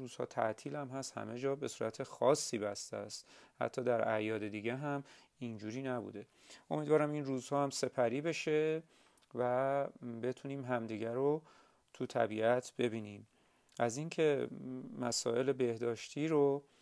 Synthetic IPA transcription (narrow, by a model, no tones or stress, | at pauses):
uːz̥hɒ̰ːt̪ʰæ̰ʔt̪ʰiːlæmɦæst̪hæ̰me̞d͡ʒɒːbe̞suːɾʔæt̪ʰexɒːsːiːbæst̪ææst̪hæ̰t̪ʰːɒːd̪æɾæ̰jɒːd̪e̞d̪iːɟeɦæm | ind͡ʒuːɾiːnæbṵːd̪e̞ | o̞miːd̪vɒːɾæminruːzhɒːhæmse̞pʰæɾiːbe̞ʃe̞ | væbe̞t̪ʰuniːmɦæmd̪iɟæɾo | t̪ʰut̪ʰæ̰biːæt̪ʰb̥e̞biːniːm | æziŋcʰe̞mæsɒ̰ːʔe̞lebe̞hd̪ɒːʃt̪ʰiːɾo